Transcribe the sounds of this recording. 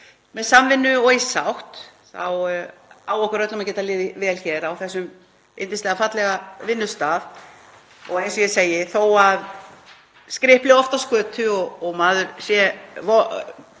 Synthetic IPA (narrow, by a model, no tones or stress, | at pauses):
mɛðsamvɪnːʏɔisawht̪θa̰w | awɔhkʏɾœt̪lʏmacɛːt̪alɪːðɪvɛːlçɛːɾawθɛsːʏm | ḛjnt̪ɪnst̪lɛɣafat̪lɛɣavɪnːʏst̪aːð | ɔɣejnsɔjɛseːjɪθowað | skɾɪhplɪɔft̪askœːt̪ʰʏɔɣɔɣmaːðʏɾsjɛvɔ